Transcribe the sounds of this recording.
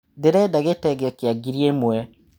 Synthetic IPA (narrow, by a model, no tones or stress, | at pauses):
deɾɛdaɣetɛɡɛkeaɡiɾiemwɛ